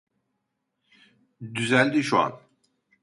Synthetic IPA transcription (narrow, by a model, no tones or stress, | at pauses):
d̪yzælʲd̪iʃua̰n